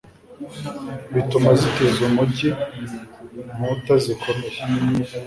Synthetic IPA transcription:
βitumazikizumuci | mutazikone

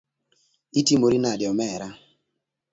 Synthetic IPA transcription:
itimoɾinadɪɔmɛɾa

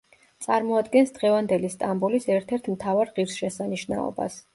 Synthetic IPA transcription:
t̪sʼaɾmɔad̪ɡɛnsd̪ʁɛvand̪ɛlist̪ʼambulisɛɾt̪ʰɛɾt̪ʰmt̪ʰavaɾʁiɾsʃɛsaniʃna̰ɔ̰ba̰s

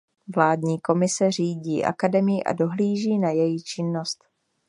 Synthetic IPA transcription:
vlaːdɲiːko̞mɪsɛriːɟḭːʔa̰kadɛmɪjɪʔa̰do̞ɦliːʒiːnajɛjɪt͡ʃɪnːost̪

